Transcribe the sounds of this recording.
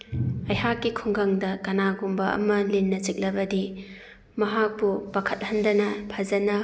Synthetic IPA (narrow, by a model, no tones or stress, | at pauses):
ɐjɦakːikʰuŋɡɐŋdɐkɐnaɡumbɐɐ̰mɐlinːɐt͡ʃik̚lɐbɐdi | mɐɦak̚bubɐkʰɐt̚hɐndɐnɐpʰazɐnɐ